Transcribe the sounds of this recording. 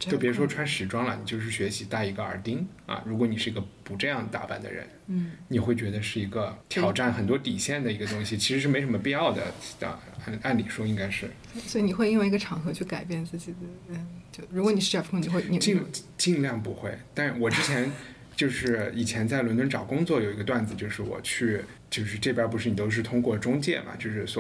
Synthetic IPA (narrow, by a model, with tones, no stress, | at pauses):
pʲɻu˧ʂwɔ˥ʈ͡ʂʰwa˥nʂɻ̩˧˥ʈ͡ʂwɑ˥ŋlə̰˨˩ni˨˩t͡ɕjo˥˧ʊʂ̬ɻ̩˥˩ɕɥɛ˧˥ɕi˧˥t̪a˥˩i˧˥ɡə˧ə̰˞˨˧˩t̪i˥ŋ | ɐ̰˨ɻu˧˥k̬wɔ˧˥ni˨˩ʂɻ̩˥˩i˧˥ɡə˧˩pu˧˥ʈ͡ʂɤ˥˧jɑ˥˩˧ŋ˩t̪a̰˥˧˩pa̰˥˩nd̪ə̰˩ɻə̰˧˥n̩˩ni˨˩xwe˥˩ɪt͡ɕɥɛ˧˥d̪ə˧ʂɻ̩˥˩i˧˥ɡə˧t̪ʰjjɑ˨˩ʊʈ͡ʂa˥˩nxə˨˩nt̪wɔ˥t̪i˨˩ɕjɛ˥˩nd̪ə˩i˧˥ɡə˧t̪ʊ˥ŋɕi˨t͡ɕʰi˧˥ʂɻ̩˧ʂ̬ɻ̩˥˩me˧˥ɪʂə˧˥mə˧pi˥˧ɑ˥˩ʊd̪ə̰˩ə̰˧˥˩ | a˥˩nli˨˩ʂwɔ˥i˥ŋka˥ɪʂɻ̩˥˩˥swɔ˧˥i˨˧ni˨˩xwɪi˥nwi˧˥ɡə˧ʈ͡ʂʰɑ˧˥ŋxɤ˧˥t͡ɕʰy˥˩ka˨˩ɪpjɛ˥˧nt͡sɹ̩˥˩t͡ɕi˨˩d̪ə˦ə˥˧t͡ɕjo˥˧ʊɻu˧˥kwɔ˧˥n˨˩ʂ̩ɻ̩˥˩ɛ˥˩fkʰŋni˨˩xwe˥˩ɪni˨˩t͡ɕi˥˧ŋ˥t͡ɕi˥˧ŋljɑ˥˩ŋpu˧˥xwe˥˩ɪt̪a˥˧ɻwɔ˨˩ʈ͡ʂɻ̩˥t͡ɕʰjɛ˧˥n | t͡ɕjo˥˧ʊʂɻ̩˥˩i˨˩t͡ɕʰjɛ˧˥nt͡sa˥˩ɪwnt̪wə˥nʈ͡ʂɑ˨˩ʊkʊ˥ŋt͡swɔ˥˩jo˨˩ʊi˧˥ɡə˧t̪wa˥˩nd͡zɹ̩˩t͡ɕjo˥˧ʊʂɻ̩˥˩wɔ̰˨˩t͡ɕʰy˥˩˧ | t͡ɕjo˥˧ʊʂɻ̩˥˧ʈ͡ʂɤ˥˩pjɐ˥p̬u˧˥ʂɻ̩˥˩ni˨˩t̪o˥ʊʂɻ̩˥˩t̪ʰʊ˥ŋkwɔ˥˩ʈ͡ʂʊ˥ŋt͡ɕjɛ̰˥˩mʔɐ̰˩t͡ɕjo˥˧ʊʂɻ̩˥˩sw